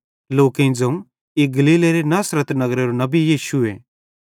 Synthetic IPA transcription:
loːkẽĩd͡zɐ̃ũ | eɡɐliːleɾenaːsɾət̪nɐɡɾeɾonɐbijiːʃʊe

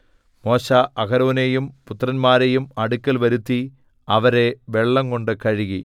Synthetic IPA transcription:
mo̞ːɕaʔɐkɐɾoːne̞jumput̪ːrɐnmaːɾe̞jumɐɽukʲːɐlʋɐɾut̪ːi | ɐʋɐɾe̞ʋe̞ɭːɐmko̞ɳɖɨkɐɻiɣi

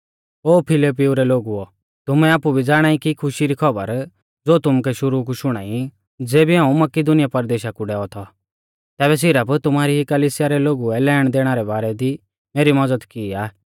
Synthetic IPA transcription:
oːpʰɪlip̬ɪuɾɛloːɡuɔ | t̪ʊmɛaːpubʱid͡zaːɽ̃aːikikʰʊʃiɾikʰɐbə̰ɾ | d͡zoːt̪ʊmkɛʃʊɾuk̬uʃʊɽ̃a̰ːi | d͡zeːbiɦãːũmɐkɪd̪ʊnɪjapɐɾd̪eːʃakuɖɛːɔt̪ʰɔ | t̪ɛːβɛs̬ɪɾəpt̪ʊmaːɾiɦikɐliːsɪjaɾɛloːɡuɛlɛːɽ̃d̪eːɽ̃aɾɛbaːɾɛd̪i | meːɾimɐd͡zəd̪kiːaː

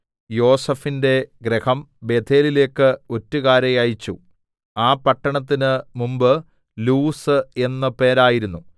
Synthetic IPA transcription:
jo̞ːsɐfinde̞ɡɾehɐmbe̞ːt̪ʰe̞ːlile̞ːkːɨo̞tːukaːɾɐjajit͡ɕːu | aːpɐʈːɐɳɐt̪̬ːinɨmumbɨ | luːsɨe̞nːɐpe̞ːɾaːjiɾunːu

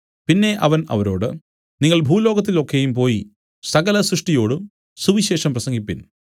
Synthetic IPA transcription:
pinːe̞ʔɐʋɐnɐ̰ʋɐɾo̞ːɽɨ | niŋːɐɭbʱuːlo̞ːɡɐt̪̬ːilo̞kːe̞jumpo̞ːji | sɐɣɐlɐsɾuʂʈijo̞ːɽum | suʋiɕe̞ːʂɐmprɐsɐŋɡipːin

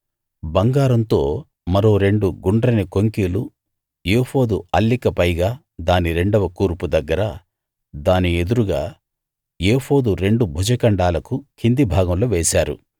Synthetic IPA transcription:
bɐŋɡaːɾɐnt̪o̞̰ː | mɐɾo̞ːɾe̞ɳɖuɡuɳɖɾɐnikoŋkiːlu | jeːho̞ːd̪uɐlːikɐpɐjɡaː | d̪aːniɾe̞ɳɖɐʋɐkuːɾpud̪ɐɡːɐɾɐ | d̪aːnie̞d̪uɾuɡa̰ː | jeːho̞ːd̪uɾe̞ɳɖubʱud͡ʒɐkɐɳɖaːlɐkukʰind̪ibʱaːɡɐmloːʋeːsaːɾṵ

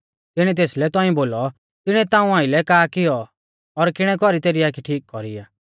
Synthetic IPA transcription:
t̪ɪɽ̃it̪̬eːslɛt̪ɔ̃ĩboːlɔ | t̪ɪɽ̃ɛt̪ãːũãːɪlɛkaːkɪjɔ | ɔɾkɪɽ̃ɛkɔɾit̪eːɾiaːkʰiʈʰiːk̚kɔɾiaː

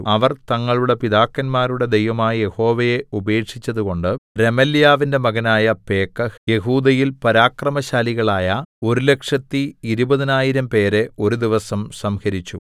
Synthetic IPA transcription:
ɐʋɐrt̪ɐŋːɐɭuɽe̞piðaːkːɐnmaːɾuɽe̞d̪ejʋɐmaːjije̞ho̞ːʋɐjeube̞ːʈʂit͡ɕːɐðuko̞ɳɖɨɾe̞mɐljaːʋinde̞mɐɣɐnaːjɐpe̞ːkːɐje̞ɦuːd̪ɐjilpɐɾaːkrɐmɐɕaːliɣɐɭaːjɐo̞ɾule̞kʂɐt̪ːiːɾubɐðinaːjiɾɐmpe̞ːɾeo̞ɾud̪iʋɐsɐmsɐmhɐɾit͡ɕːu

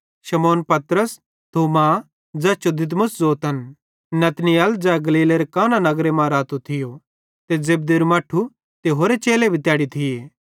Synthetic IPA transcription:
ʃɐmɔːnpɐt̪ɾəs | t̪ʰoːma | d͡zɛːt͡ʃod̪ɪt̪̬mʊszoːt̪ən | nɐt̪nɪjəld͡zɛːɡɐliːleɾekaːnanɐɡɾemãɾaːt̪ot̪ʰɪjo | t̪ed͡zeːb̚d̪eɾmaːʈʰu | t̪eɦoːɾet͡ʃeːlebʱit̪jaːɽit̪ʰɪjeː

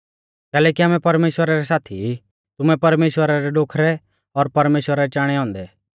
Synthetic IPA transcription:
kɛːlɛːkiaːmɛpɐɾmeːʃwəɾaɾɛsaːt̪ʰi | t̪ʊmɛpɐɾmeːʃwəɾaɾɛɖoːkʰɾɛ | ɔɾpɐɾmeːʃwəɾaɾɛt͡ʃaːɽ̃ɛɦɔ̃ːnd̪ɛ

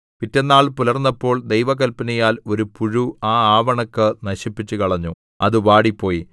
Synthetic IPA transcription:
pitːenːaːɭpulɐrnːɐpːo̞ːɭd̪ejʋɐɣɐlpɐnɐjaːlo̞ɾupuɻuaːaːʋɐɳɐkːɨnɐɕipːit͡ɕːukɐɭɐɲːu | ɐðɨʋaːɽipːo̞ːji

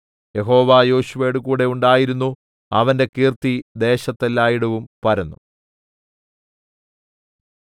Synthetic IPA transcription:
je̞ɦo̞ːʋajo̞ːɕuʋeːjɽukuːɽe̞uɳɖaːjiɾunːu | ɐʋɐnde̞kiːrt̪id̪e̞ːɕɐt̪ːelːaːjiɽɐʋumpɐɾɐnːṵ

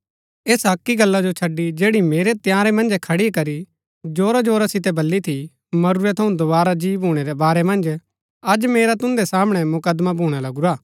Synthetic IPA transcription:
eːsɐkːiɡɐlːad͡ʒot͡ʃʰɐɖːid͡ʒeːɽimeːɾet̪jaːɾɛmɐ̃nd͡ʒɛkʰɐɽikɐɾi | d͡ʒoːɾad͡ʒoːɾasɪt̪̬ɛbɐlːit̪ʰi | mɐɾuɾɛt̪ʰɐũd̪obaːɾad͡ʒiːbʱuːɽ̃eɾɛbaːɾɛmɐ̃nd͡ʒ | ɐd͡ʒmeːɾat̪ʊ̃nd̪ɛsaːmɽ̃ɛmʊkəd̪mabʱuːɽ̃alɐɡuɾaː

